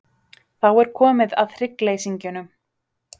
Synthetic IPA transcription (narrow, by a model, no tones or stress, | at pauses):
θawɛɾ̥kʰɔːmɪða̰ðθɾɪkleːjsiɲcʏnʏm